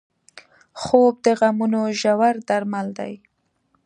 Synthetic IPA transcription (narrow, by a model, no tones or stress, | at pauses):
xob̚d̪əɣamunoʒawaɾd̪aɾmald̪a̰j